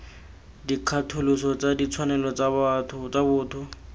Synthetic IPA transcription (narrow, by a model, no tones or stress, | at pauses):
dikʰatʰʊlʊsɔt͡sadit͡sʰwanɛlɔt͡sbtʰʊt͡sabʊːtʰʊ